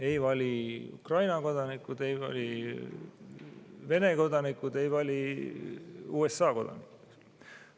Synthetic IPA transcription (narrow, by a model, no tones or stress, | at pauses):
ejvɑlʲiṵkrɑjnɑko̞d̪̥ɑnikːˑud̪̥e̞jvɑ̰lʲi | ve̞ne̞ko̞d̪̥ɑnikːˑud̪e̞jvɑlʲi | uːesːɑːko̞d̪̥ɑ̰nikuks